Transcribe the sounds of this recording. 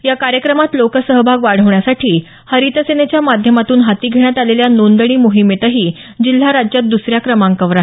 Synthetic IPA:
jakaɾjəkɾəmat̪lokəsəɦəbʱaɡʋaɽ̤əʋɳjasaʈʰiː | həɾit̪əsenet͡ɕjamad̪ʱjəmat̪uːnɦat̪iːɡʱeɽ̃jat̪aleljanond̪əɽ̃iːmoɦimet̪əɦiː | d͡ʑil̤ːaɾad͡ʑjat̪̚d̪usɾjakɾəmãŋkəʋɾa

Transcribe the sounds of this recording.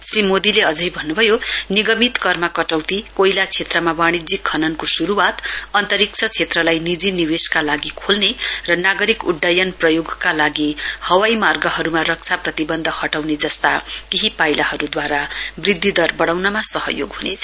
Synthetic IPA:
srimod̪ileʌd͡zʌjbʱʌnːubʱʌjoniɡʌmit̪kʌrmakʌʈawt̪ikoilat͡sʰet̪rʌmabaɽ̃id͡zikʰːʌnʌnkosuɾuwat̪ʌnt̪ʌɾik̚t͡sʰʌt͡sʰet̪rʌlajnid͡ziniweskalaɡikʰolnerʌnaɡʌɾikuɖːajʌnprʌjoɡkalaɡihʌwajmarɡʌɦʌɾumarʌk̚t͡sʰaprʌt̪ibʌnd̪ʱʌhʌʈawned͡zʌst̪akeɦipajlahʌɾud̪waɾabrid̪ʱːid̪ʌrbʌɽawnʌmasʌɦʌ̰joɡɦunet͡sʰʌ̥

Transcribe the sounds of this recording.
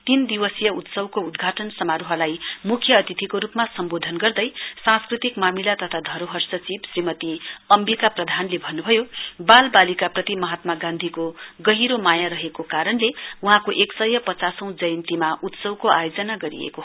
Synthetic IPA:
t̪ind̪iwʌsjʌut̪sʌwkoud̪ɡʱaʈʌnsʌmaɾuɦʌlajmukʰjʌːt̪it̪ʰikoɾupmasʌmbod̪ʱʌnɡʌrd̪ʌjsãskrit̪ikmamilat̪ʌt̪ʰad̪ʱʌɾoɦʌrsʌt͡sibsrimʌt̪iʌmbikaprʌd̪ʱanlebʱʌnːubʱʌjobalbalikaprʌt̪imʌɦat̪maɡãnd̪ʱikoɡʌɦiɾomajaɾʌɦekokaɾʌnleuɦãkoʔeksʌjʌpʌt͡sasʌ̃w̃d͡zʌjʌnt̪imaut̪sʌwkoʔa̰jod͡zʌnaɡʌɾḭḛko

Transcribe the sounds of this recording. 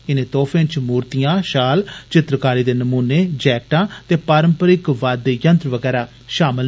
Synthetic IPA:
ɪnẽːt̪oːpʰẽːt͡ʃmuːɾt̪ijãːʃaːlt͡ʃɪt̪ɾəkaːɾiːd̪eːnəmuːneːd͡ʒɛːk̚ʈãːt̪eːpaːɾəmpəɾɪkʋaːd̪ːeːjənt̪ɾʋəɡɛːɾaː | ʃaːmɪl

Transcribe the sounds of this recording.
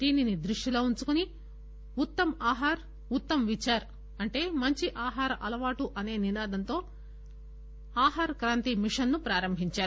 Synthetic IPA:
d̪iːninid̪ɾuʂʈilo̞ːuɲt͡ʃukuni | ut̪ːɐmaːɦaːɾ | ut̪ːɐmʋit͡ʃːaːɾ | ɐɳʈe̞ːmɐɲt͡ʃiʔaːɦaːɾɐʔɐlɐʋaːʈuʔɐne̞ːninaːd̪ʱɐnt̪o̞ː | aːɦaːɾɐkɾaːnt̪imiʂɐnːupɾaːɾɐmbʱiɲt͡ʃaːɾu

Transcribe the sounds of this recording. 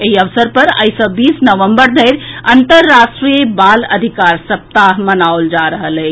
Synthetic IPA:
eɦiəʋsəɾpəɾə̰jsə̃bisnəʋəmbəɾd̪ʱəɪɾənt̪əɾːasʈɾiəbaləd̪ʱikaɾsəp̚t̪aɦmənaold͡ʒaɾəɦələt͡ʃʰ

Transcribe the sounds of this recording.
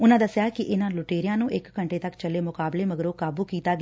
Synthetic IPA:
ʊnãːd̪əsjaːkɪʔɪnãːlʊʈeːɾɪjãːnũːʔɪkːəɳʈeːt̪əkt͡ʃəleːmʊkaːbleːməɡəɾoːkaːbuːkiːt̪aːɡː

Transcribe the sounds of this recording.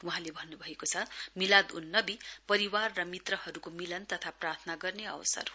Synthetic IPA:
wuɦãlebʱʌnːubʱʌekot͡sʰʌmilad̪ṵnːʌbipʌɾiwarːʌmit̪rʌhʌɾukomilʌnt̪ʌt̪ʰaprart̪ʰʌnaɡʌrneʌ̰wsʌ̰r

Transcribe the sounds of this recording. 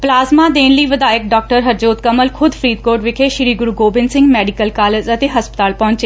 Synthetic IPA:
plaːzmaːd̪eːnləiːʋəd̪aːɪk̚ɖɔːk̚ʈəɾɦəɾd͡ʒoːt̪̚kəməlkʰʊd̪fʰɾiːd̪̚koːɾʈʋɪkʰeːʃɪɾiːɡʊɾuːɡoːbɪnsɪ̃ŋɡmɛːɖɪkəlkaːled͡ʒət̪eːɦəspət̪aːlpɔ̃ːʊ̃ɲt͡ʃeː

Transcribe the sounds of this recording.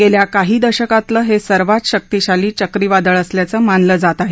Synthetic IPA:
ɡeljakaɦiːd̪əɕəkat̪ləːɦesəɾʋat̪ɕək̚t̪iɕaliːt͡ɕəkɾiːʋad̪əɭəsljat͡səːmanləːd͡zat̪aɦe

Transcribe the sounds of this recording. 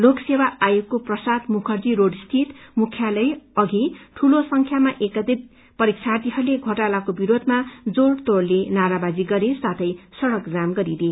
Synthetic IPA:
loksewaajokːoprʌsad̪mukʰʌrd͡ziɾoɖst̪ʰit̪mukʰjalʌjʌɡʱiʈʰulosʌŋkʰjamaʔekʌd̪ib̚ | pʌɾik̚t͡sʰat̪iɦʌɾleɡʱoʈalakobiɾod̪ʱmad͡zoɽt̪oɽlenaɾabad͡ziɡʌɾesat̪ʰʌjsʌɽʌkd͡zamɡʌɾid̪e

